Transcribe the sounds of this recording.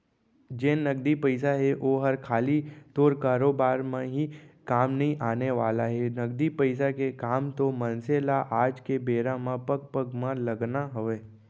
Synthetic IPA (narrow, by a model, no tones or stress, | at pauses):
d͡ʒeːnəɡd̪ipəɪs̬aɦeʔoɦəɾkʰaːlit̪oːɾkaːɾoːbaːɾmãɦikaːmnɐɦĩʔaːneʋaːlaɦɛnɐɡd̪ipəɪs̬akekaːmt̪omə̃nseːlaʔaːd͡ʒkebeːɾãmãpəɡ̚pəɡmãlɐɡnaɦʊʋeː